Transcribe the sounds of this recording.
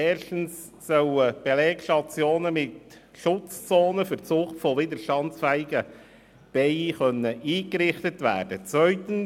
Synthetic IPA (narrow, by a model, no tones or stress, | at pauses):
ɛːrʃtən̩s | sœʊəb̥elɛːɡʃtɑt͡sjoːnəmɪt | ʃʊt͡st͡soːnəfəɾt͡sʊχtfɔʋɪdəɾʃtɑnt͡sfɛɪɪɡə | b̥ɛɪiχœnːəʔiːɡəɾɪχtətʋæ̰ːɾd̥ət͡sʋœʏtən̩